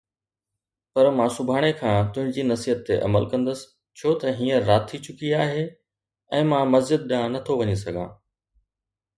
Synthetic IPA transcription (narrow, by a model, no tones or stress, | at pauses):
pɐɾmãːsʊbʱaːɽ̃ekʰãːt̪ʊ̃ɦɪ̃ɲd͡ʑiːnɐsiət̪ːeʔɐ̰məlkɐ̃nd̪əsɪ̥ | t͡ɕʰoːt̪ɐɦiːə̃ːaːtt̪ʰːit͡ɕʊkiaːɦe | ɛ̃ːmãːmɐzd͡ʑɪd̪̚ɗɪãnɐt̪ʰoʋɐɲis̬ɐɡʱãː